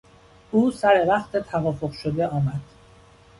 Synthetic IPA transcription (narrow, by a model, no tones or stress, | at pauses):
ʔuːsæɾe̞væχt̪ʰe̞t̪ʰævɒːfoɣʃod̪eʔɒːmæd̪̥